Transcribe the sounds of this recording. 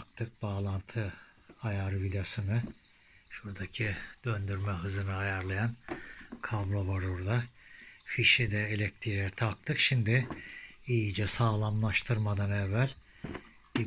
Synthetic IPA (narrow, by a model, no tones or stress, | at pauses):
k̚t̪ʰɯk̚b̥aːlˠant̪ʰɯ | ajaɾvid̪asɯnɯ | ʃuɾd̪acʰid̪̥ønd̪yɾmɛɦɯzɯnɯajaɾlˠajankʰabɾobaɾuɾd̪ˠafiʃid̪ɛelʲɛc̚t̪ʰiɾɛɾt̪ʰak̚t̪ʰɯkʃimd̪ɪ | ijid͡ʒɛsaːlˠamlˠaʃt̪ʰɯɾmad̪anɛvːælʲ | bi